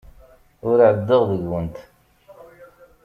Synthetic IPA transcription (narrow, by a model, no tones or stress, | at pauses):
ʊɾʕəd̪ːəʁðəʝwənt̪